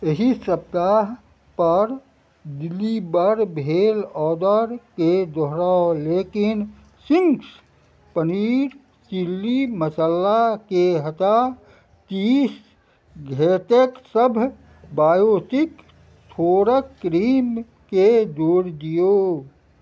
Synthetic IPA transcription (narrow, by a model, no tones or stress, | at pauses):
əɦisəb̚t̪aɦ | pəɾ | d̪ɪlːibəɾbʱeːlɔːd̪əɾked̪ɔɦɾaːoleːkɪn | sɪ̃ŋks | pəniːɾ | t͡ʃilːiməsəlːakeɦət̪a | t̪iːs | ɡʱeːt̪eksəbʱ | baːjoːsɪk | t̪ʰoːɾəkːɾiːm | ked̪uːɾd̪ijoː